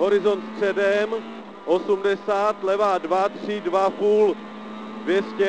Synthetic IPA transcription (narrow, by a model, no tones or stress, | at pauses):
ɦo̞ɾɪzo̞nt̪st̪r̝̥ɛdɛm | ʔosumdɛsaːt̪lɛvaːdvat̪r̝̥ɪdvapuːl | dvjɛscɛ